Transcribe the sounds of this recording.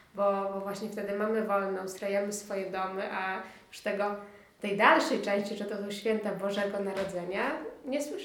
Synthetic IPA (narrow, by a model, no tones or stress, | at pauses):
bɔbɔvwaɕɲɛft̪ɛd̪ɘmamɘvɔlnɔ̃w̃st̪ɾajamɘsfɔjɛd̪ɔmɘʔajuʂt̪ɛɡɔ | t̪ɛjd̪alʂɛjt͡ʂɛ̃w̃ɕt͡ɕiʐɛt̪ɔsɔwɕfʲjɛnt̪abɔʐɛɡɔnaɾɔd̪zɛɲaɲɛswɘ